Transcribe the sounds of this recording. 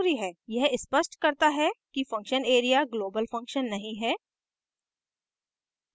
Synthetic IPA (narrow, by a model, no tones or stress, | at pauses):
ɾiɦɛːjɛɦɪspəʃʈkɐɾt̪aɦɛkifɐ̃ŋkʃəneːɾijaɡloːbəlfɐ̃ŋkʃənːɐɦĩɦɛː